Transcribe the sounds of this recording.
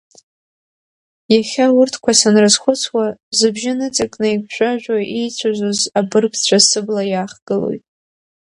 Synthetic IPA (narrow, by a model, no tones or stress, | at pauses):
jaχʲaʊrtʰkʷʰasanrɨzχʷʊt͡sʰwazɨbʒɪnɨt͡sʼɨkʼnɨjɡʷʰʒᶣʷaʒᶣʷaʔejt͡sʷʰazʷozabɨrpʰt͡ɕʷʰasɨblajaːχɡ̥ɨlo̰jtʼ